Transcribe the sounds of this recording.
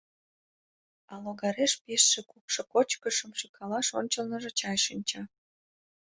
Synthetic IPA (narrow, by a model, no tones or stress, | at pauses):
ɑloɣɑɾeʃpiʃːekupʃokot͡ɕkəʃəmʃikʰɑlɑʃonʲt͡ɕəlnəʒĕt͡ɕɑjʃinʲt͡ɕɑ